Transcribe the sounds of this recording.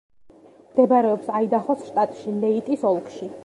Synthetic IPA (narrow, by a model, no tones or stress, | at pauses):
md̪̥ɛbaɾɛɔpsaid̪aχɔsʃt̪ʼat̪ʼʃilɛit̪ʼisɔlˠkʼʃi